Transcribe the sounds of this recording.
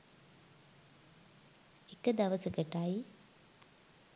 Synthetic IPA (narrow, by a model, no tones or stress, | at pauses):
ekəd̪ɐʋɐsəkəʈaji